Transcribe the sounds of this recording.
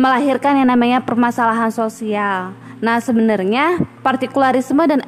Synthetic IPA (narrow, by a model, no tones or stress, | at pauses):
məlaɦirkanjaŋnamaɲapərmasalaɦansosial | nahsəbənərɲapart̪ikulaɾismədan